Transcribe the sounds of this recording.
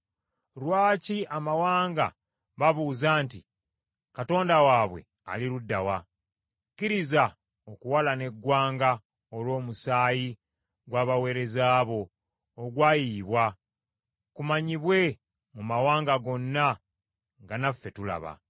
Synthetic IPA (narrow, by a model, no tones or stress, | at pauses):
ɾwaːciamawaːŋɡa̰ | βaβuːzaːnti | kato̞ːndawaːβwe̞̰ | a̰liɾudːawa | kiɾiza | okuwalane̞ɡːwaːŋɡa | olwo̞ːmusaːji | ɡwaːβawe̞ːɾe̞zaːβo̞ː | ɡwaːjiːβwa | kumaɲiβwe̞ | mumawaːŋɡaɡo̞nːa | ŋɡanafːe̞tula̰βa̰